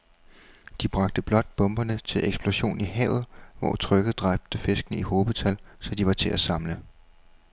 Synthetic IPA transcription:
d̥ib̥ʁɑ̈ɡ̥̚d̥əb̥lɒ̽d̥̚b̥ɔ̽mb̥ɐnət͡sʰe̝lʔeɡ̥sb̥lo̝ɕo̝̰ːniɦɛ̰ʊð̩ˠʋɒ̰ːt͡sʰʁœɡ̥ð̩ˠd̥ʁɑb̥̚d̥əfe̝sɡ̥ənəihoːbð̩ˠt͡sʰælsɒ̽d̥iʋɑ̈t͡sʰe̝ʔæsɑ̈mlə

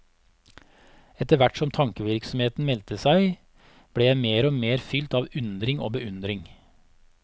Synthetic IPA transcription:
ɛt̪əʋæʈsɔmt̪ʰɑŋkəʋɪɾksɔm̩heːt̪n̩mɛlt̪əsæɪ | b̥ɽeːjæɪmeːɾoːmeːɾfʏlt̪ɑːʋʉnd̪ɾɪŋo̰ːbəʉnd̪ɾɪŋ

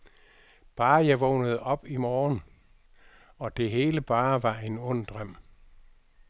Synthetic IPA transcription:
b̥ɑ̈ːjɑ̈ɪʋɔ̽ʊnəð̞̩ˠɒ̽b̥imɒːn | ɒ̽d̥e̝ɦe̝ːləb̥ɑ̈ːʋɑ̈e̝nɔ̽n̰d̥ʁɶm̰

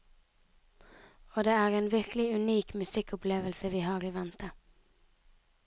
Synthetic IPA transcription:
oːd̪eːæːʁeːnʋɪʁklɪʉniːkmʉsɪkʊpleːʋəlsəʋiːhɑːʁiːʋænt̪ʰə

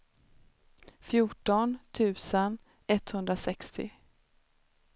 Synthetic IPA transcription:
fjuʈɔnt̪ʰʉ̟ːsən | ɛt̪hɵnd̪ɾasɛkst̪ʰɪ̰

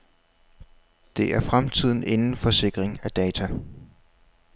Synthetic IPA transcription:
d̥e̝ʔæɐfʁamt͡sʰið̞̰ˠn̩ʔe̝nn̩fɒ̽se̝ɡ̥ʁeŋæd̥ɛːt͡sʰæ

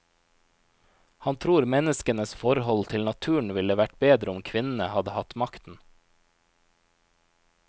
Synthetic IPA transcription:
hɑnt̪ʰɾuːɾmɛnəskənəsfɔɾhɔlt̪ʰɪlnɑt̪ʰʉːɳ̩ʋɪləʋæʈbeːd̪ɾəʊmkʰʋɪnn̩əhɑd̪əhɑt̪mɑkt̪n̩

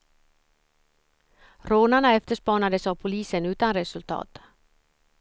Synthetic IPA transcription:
ɾoːnaɳaɛft̪əʂpɑːɳad̪əsavpʰʊliːsənʉ̟ːt̪anɾɛsɵlt̪ʰɑ̰ːt̪

